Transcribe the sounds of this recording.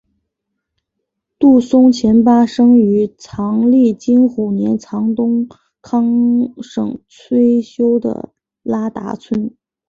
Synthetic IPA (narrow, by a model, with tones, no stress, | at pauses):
t̪u˥˩sʊ˥ŋt͡ɕʰjɛ˧˥npa˥ʂɤ˥ŋy˧˥t͡sʰɑ˧˥ŋli˥˩t͡ɕi˥nxu˨˩njɛ˧˥nt͡sʰɑ˧˥ŋt̪ʊ˥ŋ | kʰɑ˥ŋʂɤ̰˨˩ŋt͡sʰwe˥ɪɕjo˥ʊd̪ə̰˩ | la˥t̪a̰˧˥t͡sʰwə˥n